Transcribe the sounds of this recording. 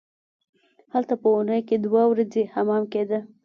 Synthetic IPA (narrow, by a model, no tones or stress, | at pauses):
halt̪apəunəjked̪wawɾazehamɑmked̪ə